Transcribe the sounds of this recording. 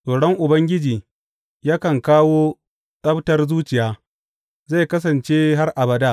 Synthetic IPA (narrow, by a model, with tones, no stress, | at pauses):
sʼoː˨ɽɔ˦ŋʔʊ˨bɐ˦ŋɡʲɪ˦d͡ʒiː˨ | jaː˦kɐ˨ŋkaː˦woː˦ | sʼɐ˦btɐ˦rzuː˦t͡ʃɪ˨jaː˦ | za˦˨kɐ˦s̬ɐ˨nt͡ʃe˦ɦa˦rʔa˨bɐ˦daː˦˨